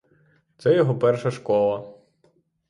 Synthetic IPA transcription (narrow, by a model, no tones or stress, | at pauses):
t̪sɛjɔɦɔpɛrʃɐʃkɔlˠɐ